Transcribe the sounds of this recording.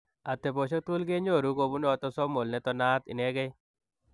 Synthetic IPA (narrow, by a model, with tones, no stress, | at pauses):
a˨t̪e˨bo˨ʃɔ˦t̪u˦lɡe˦ɲo˦˨ɾu˦ɡo˨bu˦n˦ɔ˨t̪ɔ˦sɔ˦mo˨lnɛ˦t̪ɔ˦na˦t̪ɪ̰˨nɛ˦ɡe˦